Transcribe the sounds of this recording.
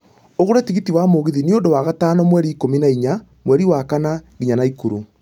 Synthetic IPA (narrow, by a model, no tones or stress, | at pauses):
oɣoɾɛtiɣitiwamoɣiðineondowaɣatanɔmwɛɾiːkominaiɲa | mwɛɾiwakanaɣiɲanaikuɾu